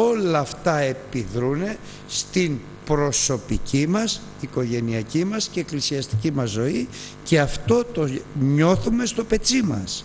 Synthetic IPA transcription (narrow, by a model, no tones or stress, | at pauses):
o̞lɐːft̪ɐe̞piðɾune̞ | st̪in | pɾo̞so̞picimɐs | iko̞ʝe̞niɐcimɐsce̞ːklisiɐst̪icimɐzːo̞i | ce̞ɐft̪o̞t̪o̞ɲo̞θume̞st̪o̞pe̞t͡simɐ̰s